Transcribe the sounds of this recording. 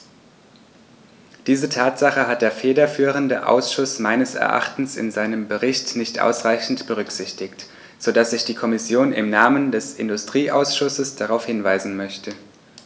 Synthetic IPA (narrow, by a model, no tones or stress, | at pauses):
d̥iːzətʰaːtz̥aχəɦat̚d̥eːɐfeːdɐfyːʁ̞əndəʔa̰ʊsʃʊsmaɪnəsɛ̰ɐʔa̰χtn̩sɪ̰nzaɪnəmbəʁɪçtnɪçtʔa̰ʊsʁaɪçn̩tb̥əʁ̞ʏkz̥ɪçtɪkt | z̥odasz̥ɪçd̥iːkʰɔmɪsjoːnɪ̰mnaːməndɛsɪndʊstʁ̥iːʔaʊsʃʊsəsd̥aʁaʊfhɪnvaɪzn̩mœçtʰə